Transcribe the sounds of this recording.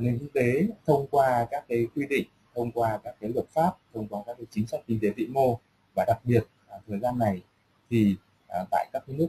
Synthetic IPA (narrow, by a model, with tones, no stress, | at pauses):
ne˨˩ŋki˧t̪e˨˦t̪ʰə˧wŋ͡mkwaː˧kaː˦˥kːaː˨˦jkwi˧ɗḭ˧˨ŋ̟t̪ʰə˧wŋ͡mkwaː˧kaː˦˥k̚ːa˨˦jlwə˨˩t̚faː˦˥p̚t̪ʰə˧wŋ͡mkwaː˧kaː˦˥k̚l̚t͡ɕï˨˦ŋsa˦˥jk̚kï˧ŋ̟t̪e˨˦t̪ḭ˧˨mo˧ | vaː˨˩ɗa˨˩k̚ɓi˨˩ət̚t̪ʰəː˨˩jzaː˧nːa˨˩j | t̪ʰi˨˩˨ | t̪a̰ː˧˨jkaː˦˥k̚ːnɨ˦˥ək̚